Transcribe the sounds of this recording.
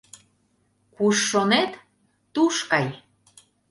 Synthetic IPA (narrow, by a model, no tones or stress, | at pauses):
kuʃːonet̪ː | uʃkɑj